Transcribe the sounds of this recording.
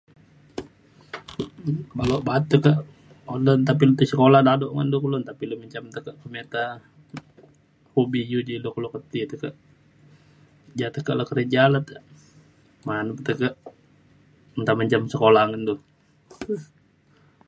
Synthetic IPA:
baloʔbat̪ːukaʔ | odənt̪ap̬ilut̪əsəkoladadɔʔŋəndukəlont̪apiluməɲt͡ʃamt̪əkəʔkəmet̪a | hobijud͡ʒilokəlokət̪it̪ukəʔ | d͡ʒat̪əkaʔlakəɾəd͡ʒalat̪ə | manupət̪əkəʔ | nt̪aməɲt͡ʃamsəkolaŋəndu

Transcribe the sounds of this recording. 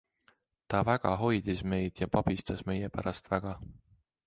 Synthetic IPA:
t̪ɑvæɡ̥ɑ̰ɦo̞jd̪isme̞jd̪̥jɑpɑb̥ist̪ɑsme̞jepæɾɑst̪væɡ̥ɑ

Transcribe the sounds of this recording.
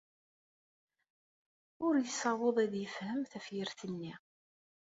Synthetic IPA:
ʊɾjəsɑwəðˤæðjəfhəmθæfjəɾθənːi

